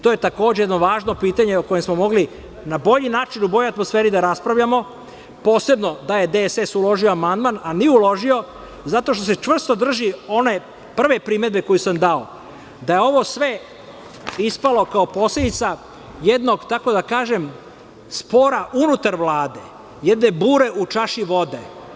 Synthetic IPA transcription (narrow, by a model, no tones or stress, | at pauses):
t̪oje̞t̪ako̞ːd͡ʑejed̪noʋaːʒno̞piːt̪aɲeoko̞jemsmo̞mo̞ɡli | nabo̞ʎinaːt͡ʃinubo̞joat̪mo̞sfeːɾid̪aɾaspɾaʋʎamo̞ | po̞ːse̞bno̞d̪aje̞d̪esesulo̞ʒioamand̪mananijeulo̞ʒio̞ | zat̪o̞ʃt̪o̞se̞t͡ʃʋr̩st̪o̞d̪r̩ʒio̞ne̞ | pr̩ʋepɾime̞d̪̚be̞ko̞jusamd̪ao | d̪ajeo̞ʋo̞sʋe̞ | ispalo̞kaopo̞ːsled̪it̪sa | jed̪no̞ɡt̪ako̞d̪akaːʒe̞m | spoːɾaʔunut̪aɾʋlˠaːd̪e̞ | jɛd̪ne̞buːɾe̞ʔut͡ʂaʃiʋo̞d̪e